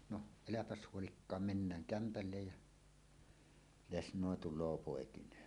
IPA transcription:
no elæpæs huolikːɑːm menːæːŋ kæmpælːej jæ lesnoˑe tulˑoː poˑekinˑeːn

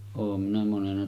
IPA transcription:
oːm minæ monenɑ

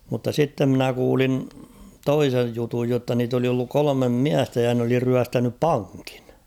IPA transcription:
mutːɑ sitːe mnæ kuːlin toisej jutuj jotːɑ niːt oli olːuk kolomem miæstæ jɑ n oli ryæstænyp pɑŋki̥n̥

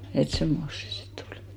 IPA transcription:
et semːos se sitː oli̥

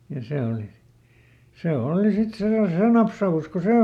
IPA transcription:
jɑ se oˑli se oːli sit se jɑ seː nɑpsɑus ko seː

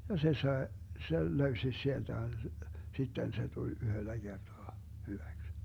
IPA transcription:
jɑ se sɑe sel løysi sield̥æ sitːen se tulʲ yhølːæ ɡ̊ertoɑ hyʋæks

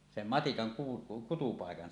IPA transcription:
sem mɑtikɑŋ ku kutupɑˑekɑn

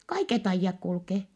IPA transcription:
kɑiket ɑijːɑk kulkeː

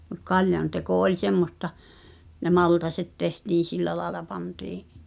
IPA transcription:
mut kɑljɑn teko olʲ semːostɑ ne mɑltɑset tehtiːn̞ silːæ lɑelɑ pɑntiːʔ

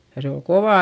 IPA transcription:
jɑ se ol koʋɑˑ

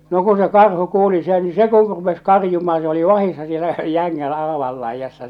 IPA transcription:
no kun se kɑrhu kuːli sen ni se ku rupes kɑrjumɑː se oli ʋɑhisːɑ sielːæ jæŋːæn ɑːʋɑl lɑijɑsːɑ

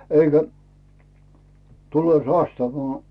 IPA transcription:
eikæ tuleˑ sɑstɑʋɑː

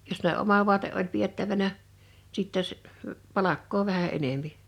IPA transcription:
jos ne ʔomɑ ʋu̞ɑteʔ ʔolʲ pietːæʋænæ siˑtːe s pɑlɑkːoː ʋæhæ enempi

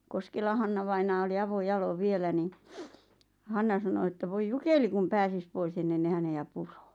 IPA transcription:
koskelɑ hɑnːɑʋɑinɑː oli ɑʋojɑloʋ ʋielæ ni hɑnːɑ sɑno ĕtːæ ʋoi jukeli kum pæːsis pois enːen ne hæneæ puro̥ː

